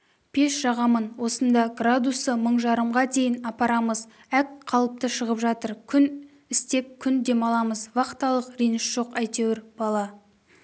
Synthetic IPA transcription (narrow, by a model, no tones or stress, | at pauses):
pʰe̞ʃʒ̥ɑʁɑmənwo̞sənd̪ɑɡrad̪usəməɴʒɑɾəmʁɑd̪e̞jɪnɑpɑɾɑməz | ækqʰɑlˠəp̚t̪əʃəʁəpʒɑt̪əɾkʲʰʏn | ɪst̪e̞p̚kʲʰʏnd̪e̞mɑlˠɑməzwɑqt̪ɑlˠəqɾijnɪʃʒ̥o̞qæjt̪e̞wɪɾb̥ɑlˠɑ